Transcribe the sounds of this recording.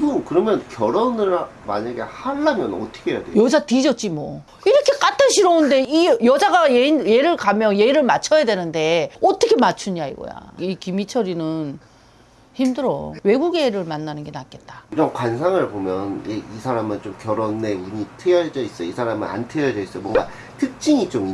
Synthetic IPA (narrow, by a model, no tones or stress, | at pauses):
ɡɯkɯɾʌmjʌnkjʌɾʌnɯɭmaɲaɡe̞̰haɭːamjʌnʌtʰʌ̥kʰejadwejʌd͡ʑatid͡ʑʌt͡ɕ͈imwʌ | iɾʌkʰe̞k͈at͈aɕʰiɾʌɯnde̞ijʌd͡ʑaɡajejeɾɯɭkamjʌnje̞ɾɯɭmat͡ɕʰʌjadwe̞nɯnde̞ʌt͈ʌkʰemat͡ɕʰuɲaḭɡo̰ja̰ikimit͡ɕʰʌɾinɯn | çimdɯɾʌ̰we̞ɡuɡe̞ɾɯɭmanːanɯnɡe̞nak͈e̞t̚t͈at͡ɕʌŋkwans̬ʰaŋɯɭbomjʌnjeisʰaɾamɯnt͡ɕomkjʌɾone̞muɲitʰɯjʌd͡ʑʌis͈ʌisʰaɾamɯ̰na̰ntʰɯjʌd͡ʑʌis͈ʌjmwʌŋɡa | tʰɯk̚t͡ɕ͈iŋit͡ɕomi